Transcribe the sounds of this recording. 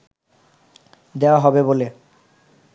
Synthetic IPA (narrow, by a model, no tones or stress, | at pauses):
d̪eoaɦɔbebole